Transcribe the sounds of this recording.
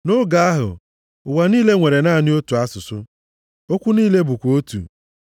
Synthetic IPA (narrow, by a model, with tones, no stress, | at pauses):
nʊ˦ɡa˦a˦ɦʊ̰˨ | ʊ˨wa˨ni˦le˦ŋʷe˨ɾe˨na˦˨nɪ˦o˦tu˨a˦sʊ˨sʊ̰˦ | o˦kʷu˦niː˦le˦bʊ˨kʷo˦tṵ˨